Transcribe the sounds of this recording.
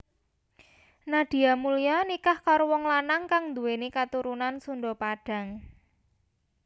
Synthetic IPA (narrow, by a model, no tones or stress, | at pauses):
naɖ̥i̤amulijanikahkaɾowɔŋlanaŋkaŋnd̪uwenikat̪uɾunansunɖopaɖ̥ä̤ŋ